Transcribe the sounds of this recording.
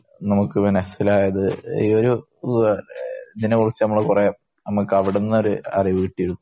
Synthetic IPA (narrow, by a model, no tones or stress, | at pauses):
nɐmukːɨminɐsilaːjɐðɨḭo̞ɾu | iðinekuɭɐt͡ɕːɨnɐmːɐɭekurɐjaːm | nɐmːɐkːɐʋiɽenːɐo̞ɾuɐ̰rijʋuʋiʈːijiɾunːu